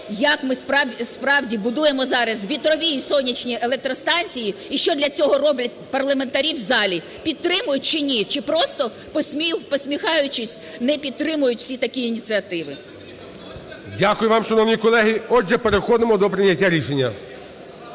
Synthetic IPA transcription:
jɐkmɪspɑspɾɑwdʲibʊd̪ujemɔzɑɾɐsʋʲit̪ɾɔʋʲijisɔnʲit͡ʃnʲielˠɛk̚t̪ɾɔst̪ɑnʲt͡sʲijiiʃt͡ʃɔd̪lʲɐt͡sʲɔɦɔɾɔblʲɐt̚ʲpɐrlˠɐment̪ɐɾʲiwzɑlʲi | pʲid̪̚t̪ɾɪmʊjʊt̚ʲt͡ʃɪnʲit͡ʃɪpɾɔst̪ɔ | psʲmʲipɔsʲmʲixɑjʊt͡ʃɪsʲnɛpʲid̪̚t̪ɾɪmʊjʊtʲwsʲit̪ɐkʲiinʲit̪t͡s̪ʲɨɐt̪ɪʋɪ | dʲakʊjʊʋɑmʃɐnɔʋnʲikɔlˠɛɦiɔd͡ʒɛpeɾexɔd̪ɪmɔd̪ɔpɾɪnʲɐtʲːaɾʲiʃenʲːɐ

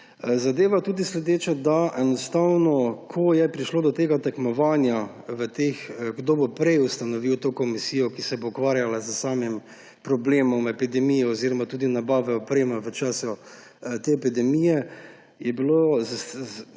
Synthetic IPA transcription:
zad̪eːʋat̪uːd̪islɛd̪eːt͡ʃɛd̪aʔɛnɔst̪awnɔkʰɔjɛpɾiʃloːd̪ɔt̪eːɡat̪ɛkmɔʋaːnjaʋət̪exɡd̪oːbɔpɾɛjust̪anɔʋiwt̪okɔmisiːjɔkisɛboːkʋaːɾjalazəsaːmim | pɾɔbleːmɔmɛpid̪ɛmijɛoziɾɔmat̪uːd̪inabaːʋɛɔpɾeːmaʋət͡ʃaːsu | t̪eɛpid̪ɛmijɛ | jɛbiloz

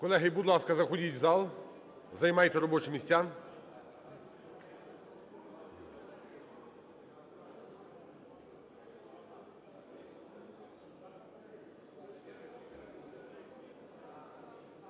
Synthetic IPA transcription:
kɔlˠɛɦɪjbud̪lˠɑskɐzɐxɔdʲitʲzɑlˠ | zɐjmɑjt̪ɛɾɔbɔt͡ʃɪmʲisʲtʲan

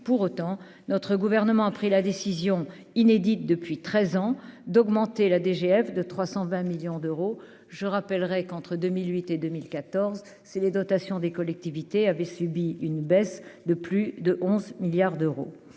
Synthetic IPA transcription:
puʁot̪ɑ̃ | nɔt̪χəɡuvɛʁnəmɑ̃apχilad̪esizjɔ̃ | ined̪it̪̚d̪əpɥit̪χɛzɑ̃d̪ɔɡmɑ̃t̪elad̪eʒeɛfd̪ət̪χwasɑ̃vɛ̃miljɔ̃d̪øʁo | ʒəʁapɛlʁɛkɑ̃t̪χəd̪ømilɥit̪ed̪ømilkat̪ɔʁz | siled̪ɔt̪asjɔ̃d̪ekɔlɛk̚t̪ivit̪eavɛsybiynbɛsd̪əplyd̪əʔɔ̃zmiljaʁd̪øʁo̰

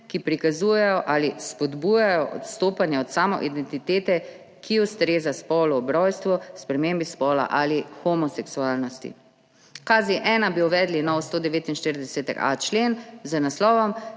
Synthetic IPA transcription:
kipɾikazuːjɛjɔʔalispɔd̪buːjajɔʔɔ̰t̪st̪oːpanjɛɔt̪saːmɔ̰ʔid̪ɛnt̪it̪eːt̪ɛ | kʰiɔst̪ɾeːzaspɔːlɔːbɾɔjst̪ʋɔspɾɛmembispɔːla̰ʔalixɔmɔsɛksuaːlnɔst̪ḭ | kaːziʔɛːnabiɔʋɛːd̪linɔːʋɔst̪oːd̪ɛʋeːt̪inʃt̪iɾid̪ɛsɛːt̪ɛ̰ka̰t͡ʃleːnzənaslɔːʋɔm

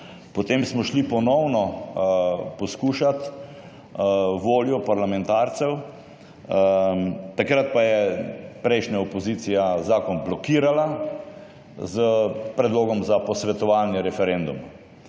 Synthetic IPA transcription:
pɔt̪eːmsmɔʃlipɔnɔwnɔ | pɔskuːʃat̪ | ʋoːljɔpaɾlamɛnt̪aːɾt̪sɛw | t̪akɾat̪̚pajɛpɾɛjʃnaɔpɔziːt̪sijazaːkɔnblɔkiːɾala | zəpɾɛd̪loːɡɔmzapɔsʋɛt̪ɔʋaːnjɛɾɛfɛɾɛnd̪uma

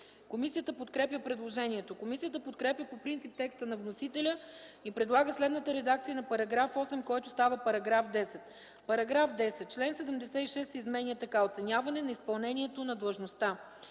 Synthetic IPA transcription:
komisijət̪əpot̪kɾɛpjəpɾɛd̪lˠoʒɛnʲiɛt̪okomisijət̪əpot̪̚kɾɛpjəpopɾint̪sip̚t̪ɛkst̪ənɐvnosit̪ɛlʲəipɾɛd̪lˠaɡəslɛd̪nət̪əɾɛd̪ak̚t̪ijənɐpɐɾɐɡɾafɔsɛmkɔjt̪ʊst̪avəpɐɾɐɡɾafd̪ɛsɛt̪ | pɐɾɐɡɾafd̪ɛsɛt̪̚t͡ʃlɛnsɛd̪ɛmd̪ɛsɛiʃɛsizmɛniət̪ɐkaot̪sɛnʲavɐnɛnɐispɐlˠnɛnʲiɛt̪onɐd̪lˠəʒnost̪a

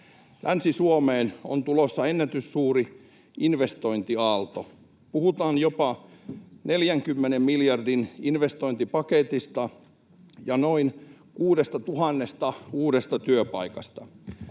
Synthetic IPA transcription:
lʔænsisuomeːno̰nt̪ulosːɑenːæt̪ysːuːri | inʋest̪oint̪iɑlt̪o | puhut̪ɑːnjopɑ | neljæŋkymːenemmiljɑrdininʋest̪oint̪ipɑket̪ist̪ɑ | jɑnoin | kuːdest̪ɑt̪uɦɑnːest̪ɑuːdest̪ɑt̪yøpɑ̰ikɑst̪ɑ

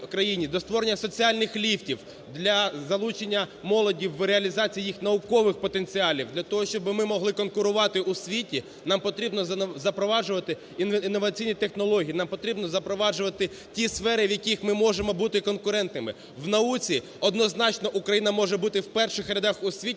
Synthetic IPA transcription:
kɾɐjinʲid̪ɔst̪ʋɔɾenʲːɐsɔt͡sʲiɑlʲnɪxlʲiwtʲiw | d̪lʲɐzɐlˠut͡ʃenʲːɐmɔlˠɔdʲiwːɾeɐlʲizɑt͡sʲijːijixnɐʊkɔʋɪxpɔt̪e̞nt͡sʲiɑlʲiwd̪lʲɐt̪ɔɦɔʃt͡ʃɔbɪmɪmɔɦlˠɪkɔnkʊɾʊʋɑt̪ɪʔusʲʋʲitʲi | nɑmpɔt̪ɾʲibnɔzɐpɾɔʋɑʒʊʋɐt̪ɪ | inːɔʋɐt͡sʲijnʲit̪e̞xnɔlˠɔɦʲijiːnɑmpɔt̪ɾʲibnɔzɐpɾɔʋɑd͡ʒʊʋɐt̪ɪ | tʲisfɛɾɪʋjɐkʲixmɪmɔʒemɔbut̪ɪkɔnkʊɾɛnt̪nɪmɪ̰ | wnɐut͡sʲi | ɔd̪nɔznɑt͡ʃnɔʔukɾɐjinɐmɔʒɛbut̪ɪwpɛrʃɪxɾʲɐd̪ɑxusʲʋʲi

